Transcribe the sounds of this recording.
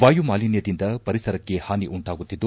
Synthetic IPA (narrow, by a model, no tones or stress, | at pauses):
ʋaːjumaːlinjɐd̪ind̪ɐpɐɾisɐɾɐkːe̞haːniʔuɳʈaːɡut̪ːid̪ːu